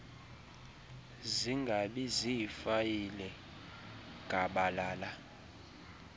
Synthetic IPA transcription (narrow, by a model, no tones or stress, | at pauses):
ziŋɡʱaɓiziifajilɛ | ŋɡʼʱaɓalaːla